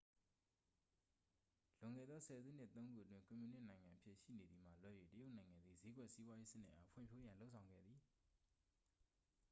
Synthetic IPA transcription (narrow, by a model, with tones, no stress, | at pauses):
lʊ̃˨ŋɡɛ̰˦˨d̪ðɔ˦sʰɛ˨zṵ˦˨n̥ɪ˦ʔt̪õ˦ʊ̃ŋɡu˦˨ʔətwɪ̃˦ŋkʊ̃˨mju˨nɪ˦ʔnã˨ɪ̃ŋã˨ʔəpʰjɪ˦ʔʃḭ˦˨ne˨d̪ði˨m̥a̰˦˨lwɛ˦˨je˨tə˦jo˦ʊʔnã˨ɪ̃ŋã˨nd̪ði˦˨ze˦ɡwɛ˦ʔsi˦bwa˦je˦sɪ˦n̥ɪ̰˦ʔa˦pʰwɪ̰̃˦˨mpʰjo˦jã˨lo˦ʊʔsʰã˨ʊ̃ŋɡɛ̰˦˨d̪ði˨